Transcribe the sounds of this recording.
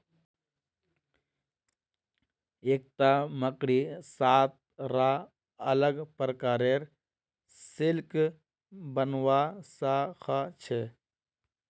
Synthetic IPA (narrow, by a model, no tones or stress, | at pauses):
eːk̚t̪aməkɾisaːt̪̚ | ɾa | ələɡpəɾkaːɾeɾ | sɪlk | bənwaːsaxʰat͡ʃʰe